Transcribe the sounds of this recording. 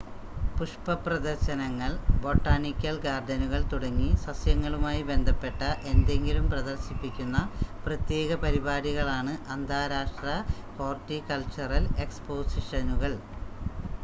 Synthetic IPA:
puʂpɐprɐd̪ɐrɕɐnɐŋːɐɭbo̞ːʈːaːnikʲːɐlɡaːrd̪ɐnuɣɐɭt̪uɽɐŋːisɐsjɐŋːɐɭumaːjibe̞nd̪ʱɐpːe̞ʈːɐʔe̞nd̪e̞ŋɡilumprɐðɐrɕipːikʲːunːɐprɐt̪je̞ːɣɐpɐɾibaːɾiɣɐɭaːɳɨʔɐnd̪ʱaːɾaːʂʈrɐfo̞ːrtːikɐlt͡ɕːɐrɐle̞kspo̞ːsiʂɐnuɣɐɭ

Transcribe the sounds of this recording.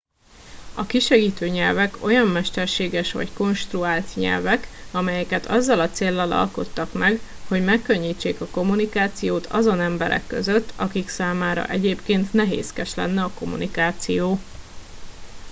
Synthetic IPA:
ɒkiʃɛɡiːt̪øːɲɛlvɛko̞jɒmːɛʃt̪ɛrʃeːɡɛʃʋɒ̰cko̞nʃt̪ruaːlt̪ɲɛ̰lvɛkɒmɛjɛkɛt̪ʰɒzːɒlɒt̪seːlːɒlɒ̰lko̞̰t̪ːɒkmɛɡho̞ɟmɛkːø̞ɲːiːt͡ʃːeːkɒko̞munikaːt̪sijoːt̪ʰɒzo̞nɛmbɛɾɛ̰kːøzø̞t̪ːɒkiksaːmaːɾɒ̰ʔɛɟeːpkeːnt̪nɛɦḛːskɛʃlɛ̰nːɛɒko̞mṵnikaːt̪sijoː

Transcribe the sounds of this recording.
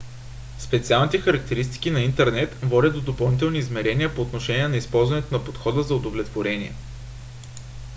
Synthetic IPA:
spɛt̪sialˠnit̪ɛxɐɾɐk̚t̪ɛɾist̪i̥k̟inɐint̪ɛɾnɛt̪vɔdʲət̪̚d̪od̪opɐlˠnit̪̬ɛlˠniːzmɛɾɛnʲiəpoːt̪noʃɛnʲiɛnɐispɔlˠzvɐnɛt̪onɐpot̪xɔd̪əzɐod̪ovlɛt̪voɾɛniɛ̰

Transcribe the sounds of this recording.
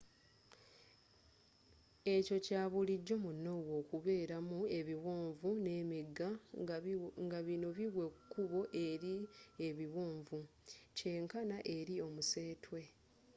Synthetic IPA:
e̞co̞caːβuliɟːo̞munːo̞wo̞ːkuβe̞ːɾamue̞βiwoːɱvune̞ːmiɡa | ŋɡaβino̞βiwe̞kkːuβo̞ʔe̞ɾieβiwoːɱvu | ce̞ːŋkanaʔe̞ɾio̞muse̞ːtwe̞

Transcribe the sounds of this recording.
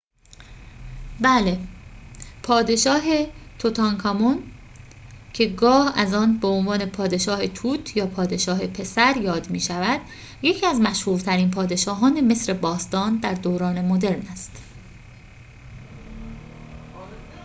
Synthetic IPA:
bæːle̞ | pʰɒːd̪e̞ʃɒːɦe̞t̪ʰot̪ʰɒŋkʰɒmon | cʰe̞ɡɒːhæzɒːnbeonvɒːne̞pʰɒːd̪e̞ʃɒːhet̪ʰuːt̪ʰjɒːpʰɒːd̪e̞ʃɒːɦe̞pʰe̞sæɾjɒːd̪miːʃævæd̪̥ | jecʰiːæzmæʃhuːɾt̪ʰæɾiːnpʰɒːd̪e̞ʃɒːɦɒːne̞me̞sɾe̞bɒːst̪ɒːnd̪æɾd̪oːɾɒːne̞mo̞d̪eɾnæst̪

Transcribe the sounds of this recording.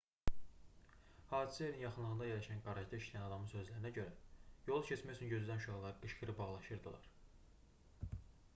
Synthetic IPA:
hɑːd̪i̥sæjeɾinjɑχɯnlˠɯɣɯnd̪ɑjelːæʃænɡɑɾɑʒd̪ɑiʃlʲæjænɑd̪ɑmɯnsø̞zlæɾinæɟø̞ɾæjo̞lˠucʰet͡ʃmæjot͡ʃ̪ʰynɟø̞zyd̪ænʃuɑhlˠɑɾɯɡɯʃɡɯɾɯbɑʁlˠɑʃɯɾd̪ɯlˠɑ̰ɾ

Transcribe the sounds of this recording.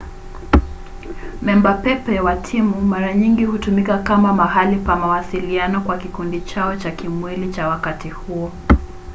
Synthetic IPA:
mɛmbapɛpɛwatʰimumaɾaɲiŋɡihutumikakamamahalipamawasilianɔkwakikundit͡ʃaɔt͡ʃakimwilit͡ʃawakatihuɔ

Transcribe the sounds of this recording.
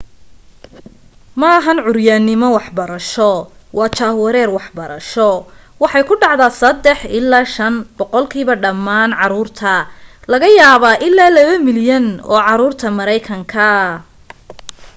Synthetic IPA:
maːɦɐnʕʊrjaːnːɪmɔwɑħbɐɾɐʃɔwɑːt͡ʃaːwɐɾɛːrwɑħbɐɾɐʃɔwɑħɑjkʰʊɖɑʕd̪aːsɐd̪ɛħɪlːaːʃɐnb̥ɔqɔlkʰiːβɐɖɐmːaːnʕɑɾuːrt̪ʰɐlɐɣɐjaːβaːʔɪlːaːlɐβɐmɪljɐnɔ̰ːʕɑɾuːrt̪ʰɐmɐɾɛjkʰɐŋkʰɐ

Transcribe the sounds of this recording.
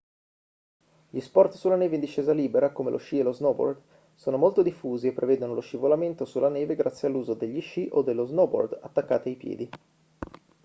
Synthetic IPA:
ʎispɔrt̪sulanɛːveind̪iʃːeːzaliːbeɾakomḛlʔo̰ʃːieloznɔbo̰rd̪ | soːnomolt̪od̪ifːuːziepːɾeveːd̪onoloʃivolament̪osulanɛːveɡɾʔat̪sːjealːuːzod̪eʎːiʃiʔod̪elːoznɔbo̰rd̪at̪ːakːaːt̪iajpjɛ̰ːd̪i

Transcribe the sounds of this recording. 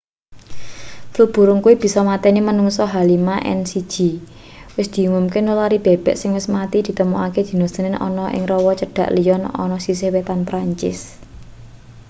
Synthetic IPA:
flub̥ṳɾʊŋkuib̥i̤sɔmat̪ɛnimənuŋsɔɦalimaʔɛ̰nsi̥ʒ̥i̤ | wɪsd̪̥i̤uŋʊmkɪnulaɾib̥e̤b̥ɛ̤ʔsɪŋwɪsmat̪id̪̥i̤t̪əmuaked̪̥i̤nɔ̥d̪̥ənɪnʔɔ̰nɔʔɪ̰ŋrɔwɔt͡ʃəɖ̥ä̤ʔlijɔnɔ̰nɔsisehwet̪anpɾaɲt͡ʃɪ̰s

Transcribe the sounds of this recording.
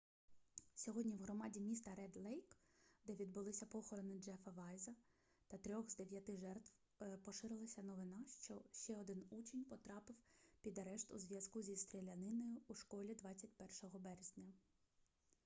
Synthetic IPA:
sʲɔɦɔdʲnʲiwɦɾɔmɑdʲimʲist̪ɐɾɛd̪lˠɛjkd̪ɛʋʲid̪bʊlˠɪsʲɐpɔxɔɾɔnɪd͡ʒɛfɐʋɑjzɐ | t̪ɐt̪ɾʲɔɣzd̪eʋʲjɐt̪ɪʒɛrt̪w | pɔʃɪɾɪlˠɐsʲɐnɔʋɪnɑʃt͡ʃɔʃt͡ʃɛɔd̪ɪnut͡ʃenʲpɔt̪ɾɑpɪwpʲid̪ɐɾɛʃt̪uzʋʲjɐskuzʲist̪ɾʲelʲɐnɪnɔjʊːʃkɔlʲid̪ʋɑt͡sʲːɐtʲpɛrʃɔɦɔbɛɾezʲnʲɐ

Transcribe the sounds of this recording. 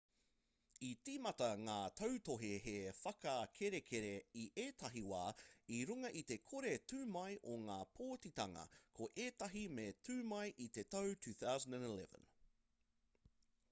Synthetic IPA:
it͡simɐtɐŋaːtʰɐwtoɦeɦefɐkɐkʰeɾekʰeɾeiʔeːtʰɐɦiwa̰ːiɾuŋɐʔit̪e̞kʰoɾetʉːmɐjʔoŋaːpʰoːtit̪ɐŋɐ̰kʰoʔeːt̪ɐɦimetʰʉːmɐjʔit̪e̞tɐwtʰʉːθawzə̃ndæ̃nilɛ̰və̰̃n

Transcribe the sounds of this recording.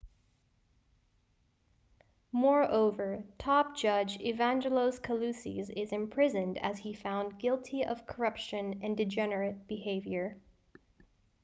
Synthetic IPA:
mɔɹoʊvə˞tʰɑp̚d̥ʒ̥ʌd͡ʒɪvæ̃nd͡ʒəloʊz̥kʰəlʉsḭzɪzɨ̃mpʰɹ̥ɪzɨ̃ndɨz̥ifãʊ̃nɡɪlˠtʰiʔʌ̰v̥kʰə˞ʌpʃɨ̃nɨ̃ndɨd͡ʒɛnə˞ɨt̚b̥ɨheɪvjə˞

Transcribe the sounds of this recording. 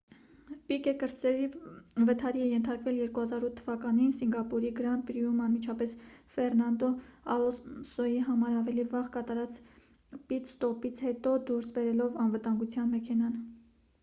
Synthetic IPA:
pikɛkəɾt͡sɛɾivət̪ʰɑɾiɛjɛnt̪ʰɑɾkvɛljɛɾkuhɑzɑɾut̪ʰːəvɑkɑninsiŋɡɑpuɾiɡəɾɑnt̪̚bɾijumɑnmit͡ʃʰɑpɛsfɛrnɑnd̪ɔɑlɔsɔjiɦɑmɑɾɑvɛlivɑʁkɑt̪ɑɾɑt͡s | pit̪st̪ɔpit͡sʰhɛt̪ɔd̪uɾsbɛɾɛlɔvɑnvət̪ɑŋɡut͡sʰjɑnmɛkʰɛnɑn

